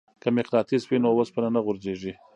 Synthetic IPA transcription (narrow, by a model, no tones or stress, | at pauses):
kamɪqlɑt̪ispinowaspənanaɣʊɾzeʐi